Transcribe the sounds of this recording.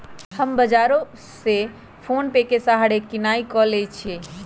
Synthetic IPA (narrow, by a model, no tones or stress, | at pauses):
həmbəd͡ʒaɾo | se | pʰonpekesaɦaɽekinaikɔlet͡ʃʰe